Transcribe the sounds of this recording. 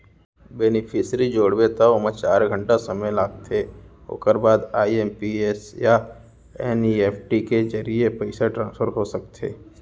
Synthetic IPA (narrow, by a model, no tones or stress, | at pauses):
bɛnɪpʰɪsɾid͡ʒoːɽʋet̪ʰaomə̃t͡ʃaːɾɡʱə̃ɳʈasəməjlaːɡt̪ʰeo̰ːkəɾbaːd̪aːiempiesja | eːnieːpʰʈiked͡ʒəɾijepəɪsaʈɾãːnsfʰəɾɦosək̚t̪ʰḛː